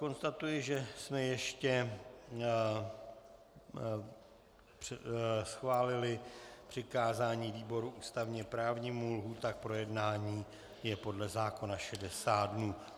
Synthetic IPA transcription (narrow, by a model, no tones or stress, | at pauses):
ko̞nst̪at̪ujɪʒɛsmɛjɛʃcɛ | prsxvaːlɪlɪpr̝̥ɪkaːzaːɲiːviːbo̞ɾuʔuːst̪avɲɛpɾaːvɲiːmulɦut̪ak̚pɾo̞jɛdnaːɲiː | jɛpo̞dlɛzaːko̞naʃɛdɛsaːdnuː